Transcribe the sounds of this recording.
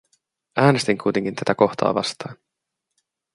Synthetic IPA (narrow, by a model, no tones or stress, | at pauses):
æːnest̪iŋkʰujt̪e̞ŋk̟int̪æt̪æko̞xt̪ɑ̰ːʋɑ̰st̪ɑːn